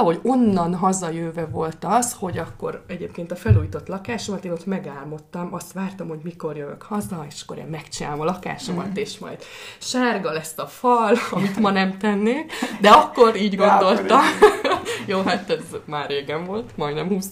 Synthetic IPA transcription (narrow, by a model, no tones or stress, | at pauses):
ɦo̞ɟo̞nːɒnɦɒzɒjøːvɛvo̞lt̪ɒsho̞ɟɒkːo̞̰ɾɛɟeːpkeːnt̪ɒfɛluːjiːt̪o̞t̪lɒkaːʃo̞mɒt̪eːno̞t̪mɛɡaːlmo̞t̪ːɒmɒst̪ʋaːrt̪ɒmho̞ɟmiko̞rjøvø̰khɒzɒeːʃɒ̥kːo̞ɾḛːmmɛkt͡ʃina̰ːlomɒlɒka̰ːʃo̞mɒ̰t̪eːʃmɒ̰jd̪ʃaːrɡɒlɛst̪ɒfɒlɒmit̪mɒnɛmt̪ɛnːeːkd̪ɛɒkːo̞ɾiːɟɡo̞nd̪o̞lt̪ɒm | joːɦat̪ɛzmaːrːeːɡɛɱvo̞lt̪mɒjd̪nɛmhuːs